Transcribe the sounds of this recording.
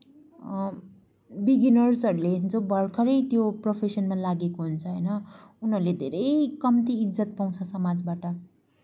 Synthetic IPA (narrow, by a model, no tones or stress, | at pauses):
biɡinʌrsʌɾuleint͡sobʱʌrkʰʌɾʌjt̪jopropʰesʌnmalaɡekoɦunt͡sʰʌɦʌjnʌunɦʌɾled̪ʱeɾʌjkʌmt̪iːd͡zʌt̪̚paw̃t͡sʰʌsʌmad͡zbaʈʌ